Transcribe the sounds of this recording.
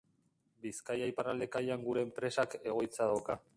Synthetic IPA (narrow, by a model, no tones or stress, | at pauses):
biskajajparald̪e̞kajaŋɡuɾe̞ːmpɾe̞sake̞ɣ̞o̞jt͡saðawka